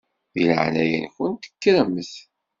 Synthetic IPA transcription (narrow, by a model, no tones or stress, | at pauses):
ðilə̰ʕnæjə̰nçʊnt̪ə̥kːɾəməθ